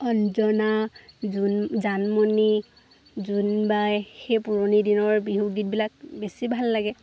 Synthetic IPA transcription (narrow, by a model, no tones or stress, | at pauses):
ɔnzɔnauzanmoni | zunbajxejpuɹonidinɔɹbiɦuɡit̚bilak̚besibʱalːaɡɛ